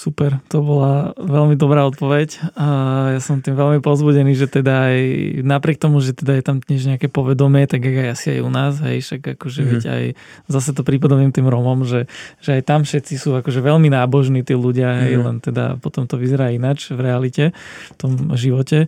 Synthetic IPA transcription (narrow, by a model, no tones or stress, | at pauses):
supɛɾt̪ɔbɔlaʋɛlmid̪ɔbɾaːɔt̪̚pɔʋɛcː | jasɔmt̪imʋɛlmipɔzbuɟɛniːʒɛt̪ɛd̪aːjnapɾɪɛk̚t̪ɔmuʒɛt̪ɛd̪ajɛt̪amd̪ɲɛʒɲɛakɛpɔʋɛd̪ɔmɪɛt̪aɡaɡajasia̰jṵnaːzɦɛ̰jʃaɡakɔʒɛʋɛɟa̰j | zasɛt̪ɔpɾipad̪ɔmiːmt̪iːmɾɔmɔmʒɛʒɛajt̪amfʃɛt̪t͡sisuːakɔʒɛʋɛlminaːbɔʒniːt̪iːluɟɪaɦɛjlɛ̰nt̪ɛd̪a̰pɔt̪ɔmt̪ɔʋizɛɾaːinat͡ʃʋɾɛalicɛft̪ɔmʒiʋɔcɛ